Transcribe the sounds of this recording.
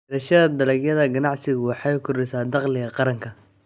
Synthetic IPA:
ɾɐʃɐðɐd̪ɐlɛɡjɐðɐɡɐnɑʕsɪɣʊwɑħɑjʊkʰʊrɛsaːd̪ɑqlɪɣɐqɑɾɐŋkʰɐ

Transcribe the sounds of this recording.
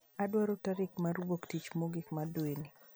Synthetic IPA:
adwaɾotaɾɪkmaɾwoktit͡ʃmoɡɪkmadweni

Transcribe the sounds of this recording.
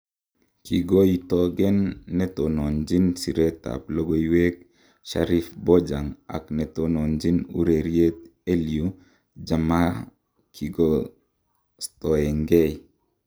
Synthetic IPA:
kiɡoitoɡɛnːetonond͡ʒinsiɾeta̰p̚loɡoiwek̚ | ʃaɾifbod͡ʒaŋa̰knetonond͡ʒinṵɾeɾjet̪̚eliu | d͡ʒama | kʰiɡo | stoeŋɡej

